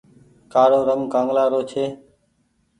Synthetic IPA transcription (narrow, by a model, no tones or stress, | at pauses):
kaːɽõːɾəŋkãːŋɡlaːɾoːt͡ʃʰeː